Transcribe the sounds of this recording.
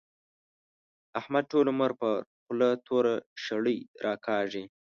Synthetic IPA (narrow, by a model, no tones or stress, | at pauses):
ahmad̪̚ʈoloməɾpəxlat̪ʰoɾaʃaɽəjɾʔɑkʰɑːʐi